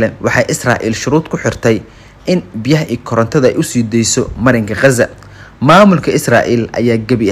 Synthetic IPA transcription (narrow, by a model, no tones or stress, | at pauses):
lɛnwɑħɑjʔɪsra̰ːʔḭːlʃʊɾuːd̪kʰʊħɪrt̪ʰɛj | ʔɪnbɪjɐɦɐʔiːkʰɔɾɐnt̪ʰɐðɐɛ̰jʔʊsiːd̪ɛjsɔmɐɾɪŋkʰɐqɑzɐ | maːmʊlkʰɐɪsra̰ːʔiːlʔɐ̰jaːɡɐβɪ